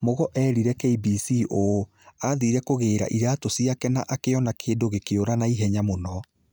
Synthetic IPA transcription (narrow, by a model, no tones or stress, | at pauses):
moɣɔʔɛɾiɾɛkeibisiʔo | aðiɾɛkoɣeːɾa̰ʔiɾatosiakɛnaʔakeɔnakeːdoɣekeoɾanaiɦɛɲamonɔ